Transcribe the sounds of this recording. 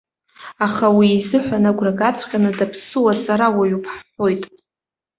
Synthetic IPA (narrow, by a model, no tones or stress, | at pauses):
aχawiːzɨħʷᶣanaɡʷraɡat͡sʰʼqʲʼanɨdapʰsɨwat͡sʼaɾawaɥupʰħħʷo̞jtʼ